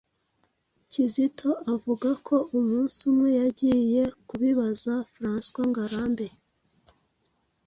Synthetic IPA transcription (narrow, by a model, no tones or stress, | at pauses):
cizitʰo̞ʔavuɡakʰo̞ʔumuːnsumŋe̞jaɟiːje̞kuβiβazafɾaːnskwaŋɡaɾaːmbe̞